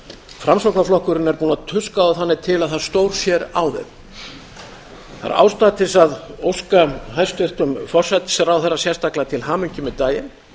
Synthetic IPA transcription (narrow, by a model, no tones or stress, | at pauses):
fɾamsowknaflɔhkʏɾɪnɛɾpuːnaðt̪ʰʏskaaðθanːɪt̪ʰɪlaðθaðst̪oːwɾ̥sjɛɾa̰wðɛ̰ð | θa̰ɾa̰ːwst̪aːt̪ɪsaðowskaɦajst̪ʏr̥t̪ʏmfɔr̥sɛt̪ɪ̥sɛɾawθɛrːasjɛrst̪aklat̪ʰɪlhaːmʏɲcɪmɛðt̪aːjɪn